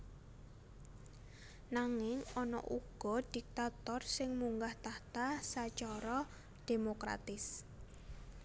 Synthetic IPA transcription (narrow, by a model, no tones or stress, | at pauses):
naŋɪŋɔnɔ̰ʔṵɡ̥ɔ̤d̪̥ik̚t̪at̪ɔrsɪŋmuŋɡaht̪aht̪asat͡ʃɔɾɔ | d̪̥emokɾa̰t̪ɪs